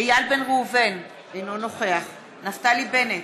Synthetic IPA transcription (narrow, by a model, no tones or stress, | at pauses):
ejalbenʁuːven | ejnonoχeaχ | naft̪alibenet